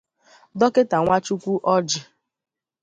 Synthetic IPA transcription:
dɔ˦ke˦ta˨ŋʷa˦t͡ʃu˦kʷu˦ʔɔ˦d͡ʒɪ˨

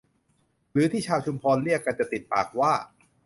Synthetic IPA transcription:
ɾɯː˩˦t̪ʰiː˥˩t͡ɕʰaː˧wt͡ɕʰu˧mpʰɔː˧nli˥˩əkːa˧nt͡ɕa˨˩t̪i˨˩t̪̚pa̰ː˨˩k̚waː˥˩

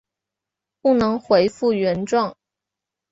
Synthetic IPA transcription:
pu˥˩nɤ˧˥ŋxwe˧˥ɪfu˥˩ɥɛ˧˥nʈ͡ʂwɑ˥˩ŋ

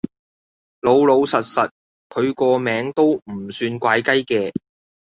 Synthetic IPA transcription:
lo˨˧wlo˨˧wsɐ˨t̚sɐ˨t̚ | kʰɵ˨˧ɥkɔː˧mɛː˨˥ŋt̪o˥wm̩˨˩syː˧nkʷaː˨˧˥jkɐ˥jkɛː˧

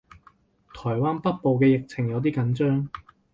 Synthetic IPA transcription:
t̪ʰɔː˨˩jwaː˥npɐ˥t̚po˨˧wkɛː˧jɪ˨k̚t͡sʰɪ˨˩ŋjɐ˨˧wt̪̬iː˥kɐ˨˥nt͡ʃœː˥ŋ

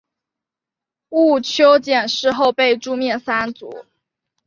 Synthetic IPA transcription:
u˥˩t͡ɕʰjo˥ʊt͡ɕjɛ˨˩nʂɻ̩˥˧xo˥˧ʊpe˥˧ɪʈ͡ʂu˥˧mjɛ˥˩nsa˥nt͡sṵ˨˧˦

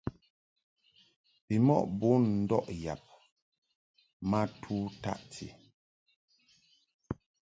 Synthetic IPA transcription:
pi˨mɔ̰˦ʔbo˦nn̩˦dɔ˦ʔja˨p̚ | ma˦tʰu˦ta̰˦ʔtʰḭ˨

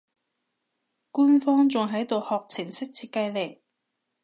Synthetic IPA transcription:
kuː˥nfɔː˥ŋt͡sʊ˨ŋɦɐ˨˥jt̪o˨whɔː˨k̚t͡sʰɪ˨˩ŋsɪ˥k̚t͡sʰiː˧t̚kɐ˧jle˨˩j

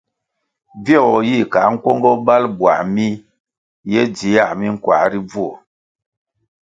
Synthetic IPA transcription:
vjɔ˦˨ɔ˨ji˦˨ka˨˦ŋ̩˦kwɔ˦ŋɡɔ˦ba˦lbwa̰˨mi˦ | jɛ˦d͡zi˨˦ja˦˨mi˦ŋ̩˦kwa̰˨ɾi˦b͡vu˦o˨

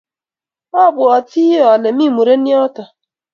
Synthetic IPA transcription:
ɔ˦˨bʊ˨ɔ˨ti˦ɔ˨le˨mi˦˨mu˨ɾe˦ni˦ɔ˦tɔ˨

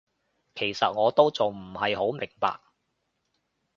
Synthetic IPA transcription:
kʰe˨˩jsɐ˨t̚ŋɔː˨˧t̪o˥wt͡sʊ˨wm̩˨˩hɐ˨jho˨˥wmɪ˨˩ŋpa̰ː˨k̚

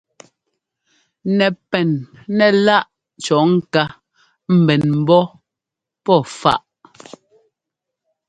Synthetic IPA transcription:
nɛ˨pɛ˨n | nɛ˨la˦ʔ | t͡ʃɔ˨˦ŋ̩˨ka˦ | m̩˨bɛ˨nm̩˨bɔ˦ | pɔ˦˨fa̰˦˨ʔ

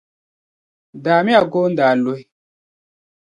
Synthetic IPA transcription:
daː˨mi˦a˨ɡo˦n˦daː˨lo˦i˦

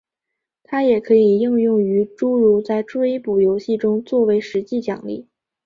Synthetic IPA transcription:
t̪ʰa˥jɛ˨˩kʰɤ˧˥i˨˩jʊ˥˧ŋjʊ˥˩ŋy˧˥ʈ͡ʂu˥ɻu˧˥t͡sa˥˩ɪʈ͡ʂe˥ɪpu˨˩jo˧˥ʊɕi˥˩ʈ͡ʂʊ˥ŋt͡swɔ˥˩we˧˥ɪʂɻ̩˧˥t͡ɕi˥˩t͡ɕjɑ̰˨˩ŋlḭ˥˩

